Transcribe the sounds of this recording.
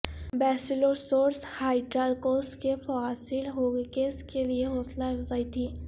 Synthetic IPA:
bɛːsɪloːsoːɾshaːɪɖɾalkoːsʈkefaːsɪlɦoːɡekeːskelieɦoːslaɪzaːit̪ʰiː

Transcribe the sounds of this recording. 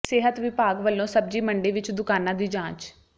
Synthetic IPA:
sɪɦət̪ʋɪpaːɡʋəlːõːsəb̚d͡ʒiːməɳɖeːʋɪt͡ʃd̪ʊkaːnãːd̪iːd͡ʒãːt͡ʃ

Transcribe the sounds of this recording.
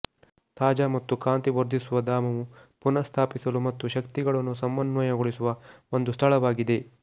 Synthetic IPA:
t̪aːd͡ʒamɐt̪ːukaːnt̪iʋɐɾd̪ʱisuʋɐd̪aːmɐʋupunɐst̪ʰaːpisɐlumɐt̪ːuʃɐkt̪iɡɐɭɐnːus̬ɐmbɐnʋɐjɐɡoɭisuʋɐo̞nd̪ust̪ʰɐɭɐʋaːɡid̪e̞

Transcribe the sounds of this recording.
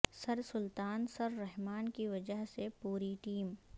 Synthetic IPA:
sɐɾsʊlt̪aːnsɐɾːɛɦmaːnkiʋɐd͡ʒəɦsepuːɾiʈiːm

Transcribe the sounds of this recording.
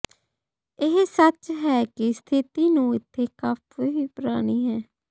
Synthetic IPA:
ɪɦsət͡ʃɦɛːkɪst̪ʰɪt̪iːnũːɪt̪ʰːeːkaːpʰeɦiːpəɾaːɽ̃iːɦɛ̃ː

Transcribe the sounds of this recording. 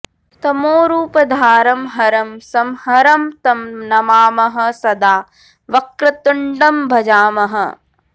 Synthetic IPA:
t̪ɐmoːɾuːpɐd̪ʱaːɾɐmɦɐɾɐmsɐmhɐɾɐmt̪ɐmnɐmaːmɐɦɐ̆sɐd̪aː | ʋɐkɾɐt̪uɳɖɐmbʱɐd͡ʒaːmɐɦɐ̆

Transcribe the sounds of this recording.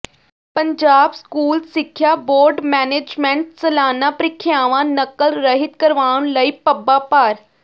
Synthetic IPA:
pəɲd͡ʒaːbskuːlsɪkʰːjaːboːɾɖmɛːneːd͡ʒmɛ̃ɳʈsəlaːnaːpɾɪkʰːjaːʋãːnəkːəlɾəɦɪt̪kəɾʋaːɳ̃ləiːpəbːaːpaːɾ

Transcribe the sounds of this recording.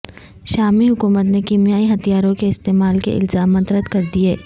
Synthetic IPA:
ʃaːmiɦʊkuːmət̪nekiːmijaːiɦɐt̪ijaːɾõkeɪst̪eːmaːlkḛʔɪ̰lzaːmɐ̃t̪ɾət̪kɐɾd̪ieː

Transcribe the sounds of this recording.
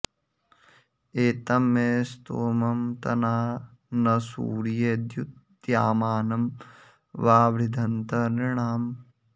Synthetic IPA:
eːt̪ɐmeːst̪oːmɐmt̪ɐnaːnɐsṵːɾijeːd̪jut̪̚ | d̪jaːmaːnɐm | ʋaːʋɾid̪ʱɐnt̪ɐniɳ̃aːm

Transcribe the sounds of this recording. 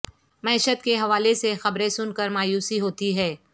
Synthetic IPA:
mɐɪʃət̪keɦɐʋaːlesexɐbɾẽsʊnkəɾmaːjuːsiɦoːt̪iɦɛː

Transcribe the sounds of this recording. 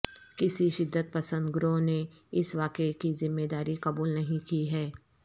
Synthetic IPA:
kɪsiʃɪd̪ːət̪̚pɐsə̃nd̪ɡʊɾõneɪsʋaːkekizɪmːeːd̪aːɾikɐbuːlnɐɦĩkiɦɛː

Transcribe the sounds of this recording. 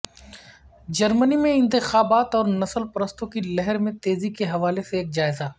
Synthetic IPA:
d͡ʒɐɾmənimẽɪ̃nt̪ɪxaːbaːt̪ɔːɾnɐsəlpɐɾəst̪õkilɛɦəɾmẽt̪eːzikeɦɐʋaːleseːk̚d͡ʒaːɪza

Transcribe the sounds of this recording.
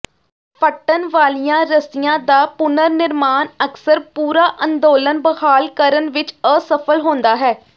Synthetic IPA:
pʰəʈənʋaːlijãːɾəsɪjãːd̪aːpʊnəɾnɪɾmaːnəksəɾpuːɾaːʔənd̪oːlənbəhaːlkəɾənʋɪt͡ʃəːsəpʰəlɦõːnd̪aːɦɛː

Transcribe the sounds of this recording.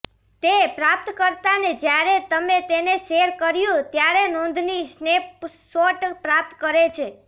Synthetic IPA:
t̪epɾap̚t̪kəɾt̪aned͡ʒjaɾet̪əmet̪eneʃeɾkəɾjũt̪jaɾenõnd̪ʱnisnepsoʈpɾap̚t̪kəɾet͡ʃʰe

